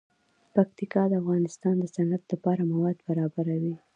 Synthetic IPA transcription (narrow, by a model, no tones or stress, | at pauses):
pak̚t̪ikɑd̪əafɣɑnɪst̪ɑnd̪əsanat̪lapɑɾamawɑd̪baɾɑbaɾawi